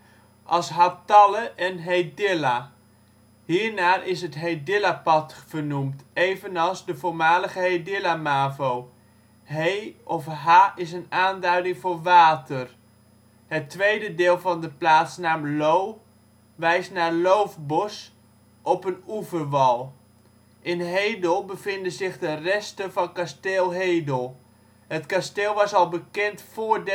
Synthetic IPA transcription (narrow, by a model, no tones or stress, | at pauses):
ʔɑlˠsɦatɑləʔɛnɦejdɪla | hiːɹnaːrʔɪsɦətɦejdɪlapɑtfərnumtejvənɑlˠzdəvʊːɹmaːləχəɦejdɪlamaːvow | ɦeɔfɦaːɪsənaːndœɥdɪŋvʊːɹʋaːtər | hətʋejdədɪːlˠvɑndəplaːtsnaːmlow | ʋɛjstnaːɹlowfbɔs | ʔɔpənuvərʋɑlˠ | ʔɪnɦejdəlˠbəvɪndəzɪχdərɛstəvɑnkasteːlˠɦejdəlˠ | hətkasteːlˠʋɑsɑlˠbəkɛntfʊːɹd